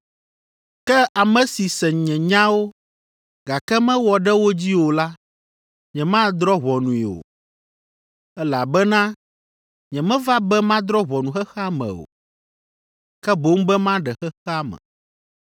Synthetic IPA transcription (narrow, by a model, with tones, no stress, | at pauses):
kɛ˦ʔa˨mɛ̃˨si˨sɛ˨ɲɛ̃˨ɲã˦wo˦ | ɡa˨kɛ˦mɛ̃˦wɔ˨ɖɛ˦wo˦d͡ʑi˦wo˨la˦ | ɲɛ̃˨mã˦˨d̪ɾɔ˦βɔ˨nũ˨i˨o̰˨ | ɛ˦la˨bɛ˦nã˦ | ɲɛ̃˨mɛ̃˦va˦bɛ˦mã˦d̪ɾɔ˦βɔ˨nũ˨xɛ˦xa˦mɛ̰̃˨o̰˨ | kɛ˦bo˦ŋ˦bɛ˦mã˦ɖɛ˨xɛ˦xɛ˦a˦mɛ̰̃˨